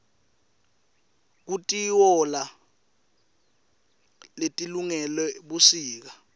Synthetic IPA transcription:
k̬utʼiwɔla | letʼiluŋɛlɛɓusiːk̬a

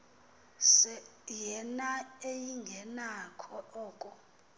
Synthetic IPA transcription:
sɛjɛnaejiŋɡʱɛnakʰɔʔɔːkʼɔ

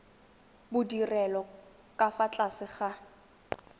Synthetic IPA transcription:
bʊdirɛlɔ | kʼafat͡ɬʼasɪχa

